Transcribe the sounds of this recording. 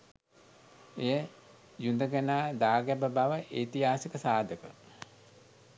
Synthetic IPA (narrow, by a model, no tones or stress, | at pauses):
ejə | jund̪əɡənaːd̪aːɡæbəbaʋəʔeːt̪iɦaːsəkəsaːd̪əkə